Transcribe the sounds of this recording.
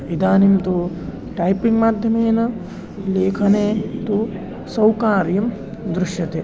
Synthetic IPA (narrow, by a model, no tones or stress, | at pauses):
id̪aːnimt̪u | ʈɐjpiŋɡmaːd̪ʱjɐmeːnɐ | leːkʰɐneːt̪u | sɐwkaːɾjɐm | d̪ɾuʃjɐt̪e